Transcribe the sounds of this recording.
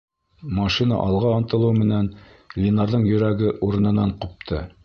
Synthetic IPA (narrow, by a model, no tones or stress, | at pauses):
mɑʃinɑ̰ʔɑlˠʁɑont̪ɤ̆lˠɤwmɘ̆næn | lʲinɑɾðɤɴjɵ̆ɾæɡɘʔuɾɤ̆nɤ̆nɑɴqup̚t̪ʰɤ